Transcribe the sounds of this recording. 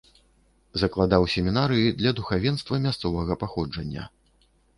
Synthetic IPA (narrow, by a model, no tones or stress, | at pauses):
zɐklˠad̪awsʲɛmʲinaɾɨjid̪lʲɐd̪uxavʲɛnst̪vɐmʲast̪sɔvɐɣɐpaxɔd͡ʐɐnʲːɐ̰